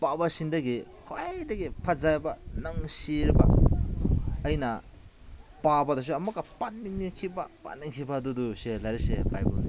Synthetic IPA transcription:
pabɐsindɐɡikʰajdɐɡipʰɐzabɐnɐŋsiɾbɐ̰ | jnɐ | pabɐdɐs̬uɐmɐkːɐpatniŋnikʰibɐpa̰tnːiŋkʰibɐduduselaɾiseba̰jbṵdi

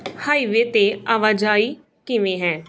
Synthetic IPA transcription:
haːiʋet̪eaʋad͡ʒaːi | kɪmẽɦɛ̃ː

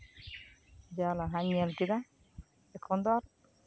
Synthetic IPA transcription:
d͡ʒalaɦaɲiɛlkid̪a | ɛkʰːɔnd̪aɾ

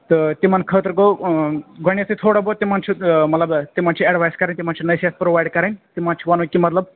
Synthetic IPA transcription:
t̪ɨt̪imankʰəːt̪ɾko | ɡʌɳ̃jat͡sʰit̪ʰoːɽabot̪imant͡ʃʰumɐt̪lɐbt̪imant͡ʃʰieɖbʱajskɐɾẽnt̪imant͡ʃʰunɐjset̪pɾobajɖkɐɾent̪imant͡ʃʰuwanũkimɐt̪lɐb

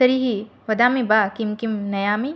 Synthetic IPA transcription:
sɐɾiɦiʋɐd̪aːmĩbaːkimkimnɐjaːmi

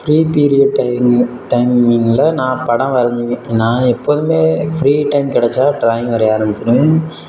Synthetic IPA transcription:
fɾiːpiːɾɪɐɖʈɐɪʈɐɪmɪŋlɐnãːpɐɽɐ̃mʋɐɾɐɲd͡ʒɯʋẽːnãːɛpːoːðɯmeːfɾiːʈɐɪmkɪɽɛt͡ʃːaːʈɾaːjɪ̃ŋɡʋɐɾɐjaːɾɐmbɪt͡ʃːɐɾɯʋẽ

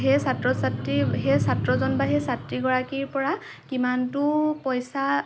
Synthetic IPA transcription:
ɦɛsatɹɔsatɹiɦɛsatɹɔzɔnbaɦɛsatɹiɡɔɹakiɹpɔɹa | kimantʊpɔjsa

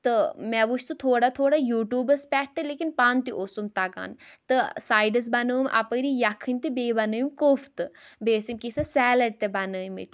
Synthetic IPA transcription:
t̪ɨmɛʋuʃt̪ɨt̪ʰoːɽat̪ʰoːɽajuːʈjuːbəspʲɛːʈ̚t̪eleːkinpaːnt̪iʔosumt̪ɐɡa̰ːnt̪ɨsaːjɖɐs̬bɐnəːmʔɐ̰pəɾijɐkʰːɨnʲt̪ibeːbɐnəːjmkoːft̪ɨbeːsimkisɐsɛːlɐɖ̚t̪ebɐnəːimɐ̰t̪ʲ

